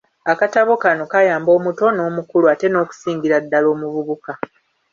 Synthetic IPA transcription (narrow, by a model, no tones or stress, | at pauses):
akataβo̞kano̞kajaːmbo̞ːmuto̞no̞ːmukuluate̞no̞ːku̥siːŋɡiɾadːalo̞ːmuβuβuka